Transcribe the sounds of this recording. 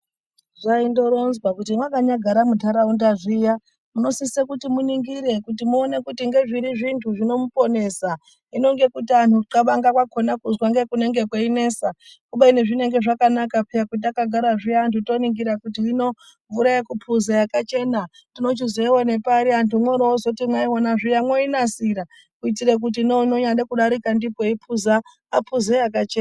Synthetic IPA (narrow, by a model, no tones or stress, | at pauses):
ʐaindo̞ɾo̞nzwakutimwakaɲaɡʱaɾamudʱaɾaundaʐija | muno̞sisekutimuniŋɡiɾe̞kutimuone̞kutiŋɡe̞ʐiɾiʐintʰuʐino̞mupo̞ne̞sa | ino̞ŋɡe̞kutian̤uǃaɓaŋɡakwako̞nakuzwaŋɡe̞kune̞ŋɡekweine̞ːsa | uɓaine̞ʐine̞ŋɡe̞ʐakanakapijakutiakaɡʱaɾaʐijantʰuto̞niŋɡiɾakutiːno̞ | ɱvuɾaekupʰuzajakat͡ʃe̞na | tino̞t͡ʃizeiwane̞paɾiantumoɾoozotimwaiwonaʐijamwoinasiɾa | kuit̬irek̬ut̬iːnonoɲaɗekuɗaɾikandipoipʰuzaː | pʰuzejakat͡ʃeːn